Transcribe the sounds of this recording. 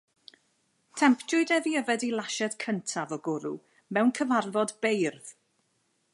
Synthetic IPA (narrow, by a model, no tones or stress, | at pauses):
tʰɛmpʰdʊɨdɛviəvɛdilˠaʃɛd̥kʰəntʰavɔɡʊɾu | mɛwnkʰəvarvɔdbejrð̥